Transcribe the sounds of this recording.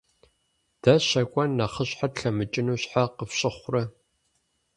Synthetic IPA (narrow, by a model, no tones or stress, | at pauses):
d̥ɐɕɐkʷʼɔnːɐχəɕħatɬɐmɨt͡ʃʼɪnuːɕħaqəfɕʼɪχʷrɐ